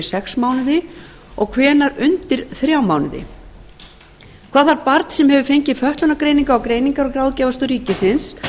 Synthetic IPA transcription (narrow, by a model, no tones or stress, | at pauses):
sɛksmaːwnɪðɪ | ɔɣkʰvɛːnaɾʏnt̪ɪɾ̥θɾjawmaːwnɪðɪ̰ | kʰv̥aːðvaɾpaɾt̪sɛmhɛvʏfejɲcɪfœht̪lʏnakɾeːjniŋkaɔkɾeːjniŋkaɾɔkɾawðcɛvast̪ʏɾiːcɪsɪns